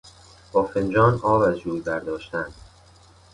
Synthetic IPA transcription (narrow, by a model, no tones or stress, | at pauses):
b̥ɒːfend͡ʒɒːnɒːvæzd͡ʒuːjd̪æɾd̪ɒːʃt̪ænd̪̥